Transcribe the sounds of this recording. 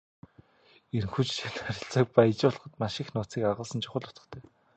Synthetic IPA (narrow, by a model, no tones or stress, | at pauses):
er̆ŋxuːt͡ɕt͡ɕʰanχæɾʲɪ̆ɬt͡sə̆k̚pajt͡ɕʊːɮ̆χə̆t̪maʃɪ̆xnʊːt͡siːkaʁə̆ɮsə̆nt͡ɕʰʊ̥χə̆ɮʊ̥t͡sə̥̆χt̪ʰeː